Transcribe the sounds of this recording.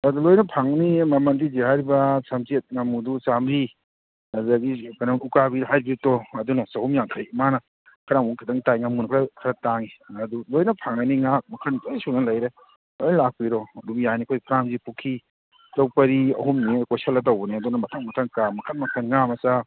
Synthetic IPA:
ɐdulojnɐpʰaŋnimɐmɐndid͡ʒeɦaɾibɐsɐmt͡ʃet̚ŋɐmudusamɾi | ɐdɐɡikanaŋukabiɦajbitɔɐdunɐsɐhumjaŋkʰajmanɐ | kʰɐɾaŋuŋkʰɐdaŋtajŋɐmunɐkʰɾakʰɐɾɐtaŋiɐdulojnɐpʰaŋnɐniŋak̚mɐkʰɐnkjsunɐlɐjɾe | ojnlak̚piɾɔɐdumjanikʰojpʰɾamzipʰukʰi | lɐwpɐɾiɐ̰humnikojsɐlːɐtɐwbɐniɐdunɐmɐtʰaŋmɐtʰaŋkamɐkʰɐnmɐkʰɐnŋamɐsa

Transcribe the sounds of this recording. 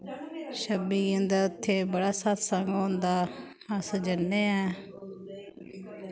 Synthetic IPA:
ʃəbiːə̃nd̪aːʊt̪ʰːeːbəɽaːsat̪səŋɡɦõːnd̪aː | əsd͡ʒənːeːɛː

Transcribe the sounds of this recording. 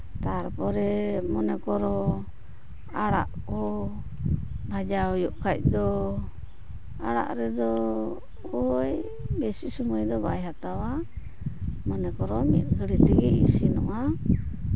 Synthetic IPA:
t̪aɾpɔɾɛmɔnɛkɔɾɔ | aɽa̰ʔkɔ | bʱad͡ʒaɔjɔʔkʰac̚ˀd̪ɔ | a̰ɽa̰ʔɾɛd̪ɔ | ɔj | besisumajd̪ɔba̰jɦat̪awa | mɔnɛkɔɾɔmit̪̚ˀkʰəɽit̪ɛɡɛḭsinɔ̰ʔa

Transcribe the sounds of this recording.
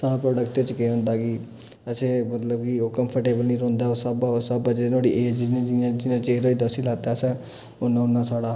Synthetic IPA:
saːɽapɾoːɖəkʈet͡ʃkeɦõnd̪aki | əsemət̪ləbkiokəmpʰəɾʈeːbəlniɾõːnd̪aosəbaosəbad͡ʒenoːɽiʔeːd͡ʒinẽd͡ʒid͡ʒinãt͡ʃeːɾoid̪ɔsilaːt̪asɛ̃ | ʊnːãʊnːasaːɽa

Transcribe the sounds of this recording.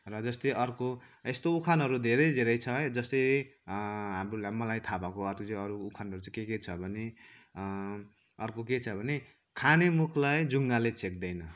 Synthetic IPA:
rʌd͡zʌst̪eʌrko | est̪oukʰanɦʌɾud̪ʱeɾʌjd̪ʱeɾʌjt͡sʰʌɦd͡zʌst̪ej | ɦamɾulamʌlajt̪ʰabakoʌrkot͡sʌʌɾuːkʰanɦʌɾut͡sʌ̃keket͡sʰʌbʱʌne | ʌrkoket͡sʰʌbʱʌne | kʰanemukʰlajd͡zuŋɡalet͡sʰek̚d̪ʌjnʌ

